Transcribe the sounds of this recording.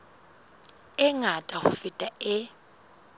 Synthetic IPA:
ɛŋatʼahʊfitʼaɛ

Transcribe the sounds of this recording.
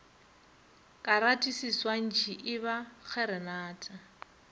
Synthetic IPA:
kʼaɾatʼisiswan̩t͡ʃʰiʔɪβak͡xʰɛɾɛnaːtʼa

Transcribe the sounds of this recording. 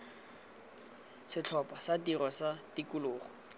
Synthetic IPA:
sɪt͡ɬʰɔpʼasatirɔsatikʊlʊːχɔ

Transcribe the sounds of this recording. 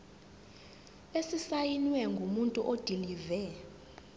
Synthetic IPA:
esisajinwɛŋɡʱumuntʼuʔod̥ʱilivɛ

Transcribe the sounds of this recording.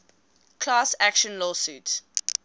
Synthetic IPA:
kʰlaːsækʃə̃nlɔːsuːt

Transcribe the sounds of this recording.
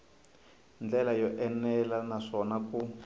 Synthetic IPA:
nd͡ɮɛlajɔʔɛnɛlanaʂɔnaku

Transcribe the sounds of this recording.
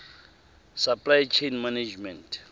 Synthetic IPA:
sapʼlajt͡ʃʰenmanad͡ʒmɛ̃ntʰ

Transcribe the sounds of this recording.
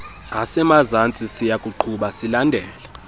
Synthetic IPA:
asɛmazant͡sʼisijakʼuǃʰuɓasilandʱɛːla

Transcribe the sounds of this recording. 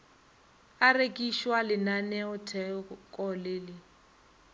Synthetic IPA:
arekʼiʃwalɪnanɛʊtʰɛkʼɔlɪːlɪ

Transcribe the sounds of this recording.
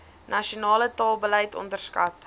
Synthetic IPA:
nɐʃionɑːlətɑːlˠbəlɛjtɔ̰ndərskɐ̰t

